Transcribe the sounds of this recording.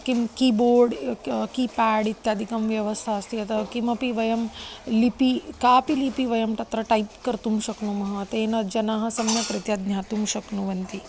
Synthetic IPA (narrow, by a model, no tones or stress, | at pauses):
kimkiboːɾɖkiːpaːɽit̪jaːd̪ʱikɐmʋjɐʋɐst̪ʰaːst̪iɐt̪ɐkimɐpiʋɐjɐmlipikaːpilipiʋɐjɐmʈɐt̪ɾɐʈɐjpkɐɾt̪umʃɐknumɐɦɐt̪eːnɐd͡ʒɐnaːɦɐ̆sɐmjɐkɾɪt̪jad̪nʲjaːt̪umʃɐknuʋɐnt̪i